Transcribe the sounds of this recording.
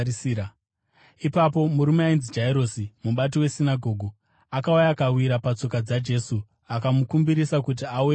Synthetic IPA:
ipapo̞muɾumeainzid͡ʒaiɾosimuɓat̬iwe̞sinaɡʱo̞ːɡʱo | akaujakawiɾapat͡so̞kad͡zad͡ʒe̞su | akamukumbiɾisakut̬iawe

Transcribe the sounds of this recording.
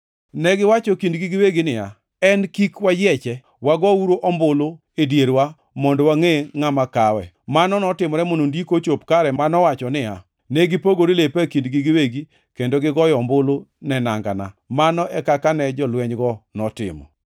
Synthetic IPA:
nɛɡɪwat͡ʃɔkindɡiɡɪweɡɪnɪja̰ | ɛnkikwajɛt͡ʃɛ | waɡɔuɾoʔɔmbolo | edjeɾwa | mɔndɔwaŋeŋamakawɛ̰ | manɔnɔtɪmɔɾɛmonondikot͡ʃopkaɾɛanɔwat͡ʃɔnɪja̰ | nɛɡɪpoɡoɾilepakindɡiɡɪweɡi | kendoɡɪɡɔjɔmbolonɛnaŋɡa̰na̰manɔʔɛkakanɛd͡ʒɔlwɛɲɡɔnɔtɪ̰mɔ̰

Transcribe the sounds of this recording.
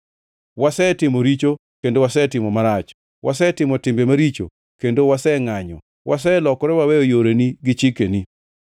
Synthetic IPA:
wasɛtɪmoɾit͡ʃo | kendowasɛtɪmɔmaɾat͡ʃ | wasɛtɪmɔtɪmbemaɾit͡ʃo̰ | kendowasɛŋaɲɔ̰ | wʔas̬ɛlɔkɔɾɛwawejojoɾeniɡɪt͡ʃikeni

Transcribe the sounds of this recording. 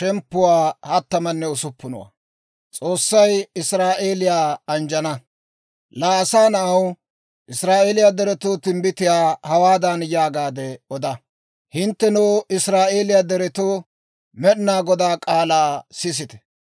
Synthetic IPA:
ʃɛmpːʊwaːhɐt̪ːɐmɐnːɛʊsʊpːʊnɔ̰wa̰ | t͡sʼo̞ːsːɐjɪsɾaːʔe̞ːlɪjaːɐnd͡ʒɐnɐ | laːsaːnɐɐw | ʔɪsɾaːʔeːlɪjad̪ɛɾɛt̪oːt̪ɪmbɪt̪ɪjaːhɐwaːd̪ɐnjaːɡaːd̪ɛɔd̪ɐ | hɪnt̪ːɛnowɪsɾaːʔeːlɪjaːd̪ɛɾɛt̪o | mɛɗnaːɡɔd̪aːkʼaːlaːsɪs̬ɪt̪ɛ̥

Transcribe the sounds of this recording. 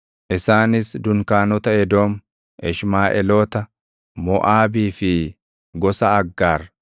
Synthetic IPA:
ʔɪsaːnɪsd̪ʊŋkaːnɔt̪ɐɛd̪oːm | ɛʃmaːʔɛloːt̪ɐ | mɔʔaːbiːfɪ | ɡɔsɐːɡːaːɾ

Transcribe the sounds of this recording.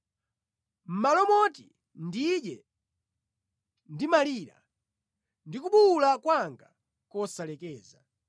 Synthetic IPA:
m̩malɔmɔti | ndiɗɛ | ndimaliːɾa̰ | ndikuɓuːlakwaŋɡa | kɔsalɛkɛːza

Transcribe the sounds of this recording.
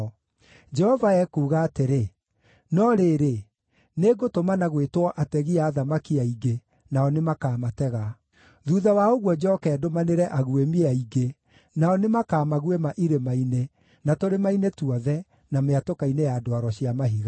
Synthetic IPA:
d͡ʒɛhɔvaɛkuːɣaːteɾe | nɔɾeːɾe | neɡotomanaɣwetwɔʔatɛɣiaːðamakiaiɡe | naɔnemakaːmatɛɣa | ðuːðawaoɣwɔd͡ʑɔkɛːdomaneɾɛʔaɣuemiaiɡe | naɔnemakaːmaɣwemaʔiɾemaine | natoɾemainetuɔðɛ | nameatokainejadoaɾɔɕiamaɦiɣa

